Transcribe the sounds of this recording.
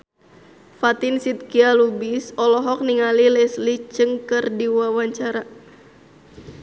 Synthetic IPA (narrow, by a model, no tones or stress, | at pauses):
fat̪ɪnsit̪̚kialubisɔlɔɦɔk̚niŋalilɛslit͡ʃəŋkɨrdiwawaɲt͡ʃaɾa